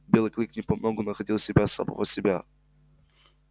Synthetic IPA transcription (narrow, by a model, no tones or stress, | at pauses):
bʲelˠɨklʲiknʲɪpɐmnoɡʊnəxɐdʲilˠsʲɪbʲasa̰mɐ̰vo̰sʲɪbʲa